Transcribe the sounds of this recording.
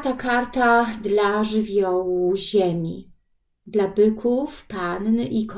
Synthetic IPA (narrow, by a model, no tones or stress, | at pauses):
t̪akaɾt̪ad̪laʐɘvʲjɔwuʑemʲḭ | d̪labɘkʰufpanːik